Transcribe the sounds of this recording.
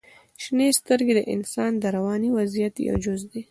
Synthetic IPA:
ʃnest̪əɾɡed̪əʔɪ̰nsɑnd̪əɾawɑniwazijat̪ja̰wd͡ʒʊzd̪i

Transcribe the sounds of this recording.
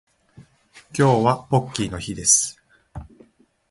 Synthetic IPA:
kʲo̞ːβapo̞kʲːino̞çid̪e̞sɨ̥

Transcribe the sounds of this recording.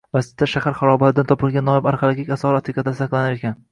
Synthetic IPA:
vasɪ̥zt̪ːaʃahaɾχaɾɒbalɪd̪ant̪ʰɒpɪlˠɡʲanːɒɪbaɾχalˠaɡʲikʲasɒɾat̪kikɑt̪d̪asaqlˠanaɾekʲan

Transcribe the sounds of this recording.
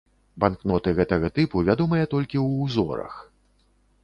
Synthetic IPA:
banknɔt̪ɨɣɛt̪ɐɣɐt̪ɨpuvʲad̪ɔmɐjɛt̪ɔlʲkʲiwːzɔɾɐ̰x

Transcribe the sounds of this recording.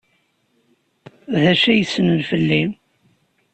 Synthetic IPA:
ðæʃæjəsːənənfəlːim

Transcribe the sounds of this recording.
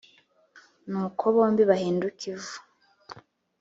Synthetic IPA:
nuːkʰo̞βo̞ːmbiβahiːndukivu̥

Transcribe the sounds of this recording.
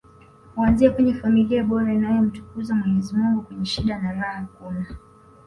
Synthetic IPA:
kuanziakwɛɲɛfamiliaɓɔɾainajɔm̩tu̥kuzamwɛɲɛzimuŋɡukwɛɲɛʃiɗanaɾahakuma

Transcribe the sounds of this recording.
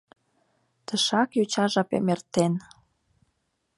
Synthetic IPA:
t̪əʃɑkjut͡ɕɑʒɑpḛmert̪en

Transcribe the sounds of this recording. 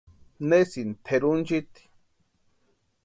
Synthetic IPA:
nesint̪ʰeɾunt͡ʃit̪i̥

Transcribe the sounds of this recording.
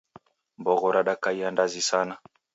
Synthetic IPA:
mbɔɣɔɾʔaɗakaiandazisana

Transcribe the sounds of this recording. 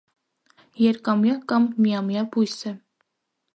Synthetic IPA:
jɛɾkɑmjɑkɑmːijɑmjɑbujsə

